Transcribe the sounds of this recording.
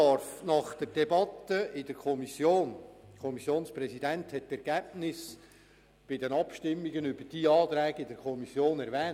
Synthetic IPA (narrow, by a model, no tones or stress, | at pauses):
ɑɾfnɑχd̥̪əɾd̥ɛbɑt̪ːəʔɪdəɾkʰɔmisjoːnkʰɔmisjoːnsprɛsidænt̪hɛttːɛɾɡ̥æb̥̚nɪs | b̥ɪdənɑpʃtɪmːiɡənʏbəd̥iɑːt̪ɾɛːɡɪdəɾkʰɔmisjoːnɛɾvɛːn